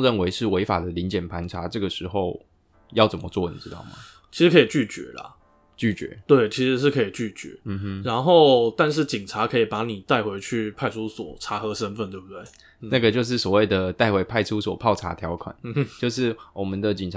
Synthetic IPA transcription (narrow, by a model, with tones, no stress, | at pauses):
ɻə˥˨nwe˧˥ɪʂɻ̩˥˩we˧˥ɪfa̰˨˩d̪ə˦li˧˥nt͡ɕjɛ˨˩npʰa˧˥nʈ͡ʂʰa˧˥ʈ͡ʂɤ˥˩ɡə˩ʂɻ̩˧˥xo˥˧ʊ | jɑ˥˩ʊt͡sə˨˩mə˦t͡swɔ˥˩nḭ˨˩ʈ͡ʂɻ̩˦˥t̪ɑ̰˥˩ʊmɐ̰˨˩ | t͡ɕʰi˧˥ʂɻ̩˧kʰi˨˩t͡ɕy˥˩t͡ɕɥɛ̰˧˥˦lɐ̰˨ | t͡ɕy˥˩t͡ɕɥɛ̰˧˥˦t̪we˥˩ɪt͡ɕʰi˧˥ʂɻ̩˧˥ʂ̬ɻ̩˥˩kʰɤ˧˥i˨˩t͡ɕy˥˩t͡ɕɥɛ̰˧˥˦m̩˥˧˦ɻa˧˥nxo˥˧ʊt̪a˥˧nʂ̬ɻ̩˥˩t͡ɕi˨˩ŋʈ͡ʂʰa˧˥kʰɤ˧˥i˨˩pa˧˥ni˨˩t̪a˥˩ɪxwe˧˥ɪt͡ɕʰy˥˩pʰa˥˧ɪʈ͡ʂʰu˦˥swɔ̰˨˩˦ʈ͡ʂʰa˧˥xɤ˧˥ʂə˥nfə˥˧nt̪we˥˩b̚u˩t̪we˥˩ɪ | na˥˩ɡə˩t͡ɕjo˥˧ʊʂ̬ɻ̩˥˩swɔ˨˩we˥˩ɪd̪ə˩t̪a˥˩ɪxwe˧˥ɪpʰa˥˩ɪʈ͡ʂʰu˦˥swɔ˨˩pʰɑ˥˩ʊʈ͡ʂʰa̰˧˥t̪ʰjɑ˧˥ʊkʰwa̰˨˩˦nt͡ɕjo˥˧ʊʂɻ̩˥˩wɔ˨˩mə˦nd̪ə˨t͡ɕi˨˩ŋʈ͡ʂʰ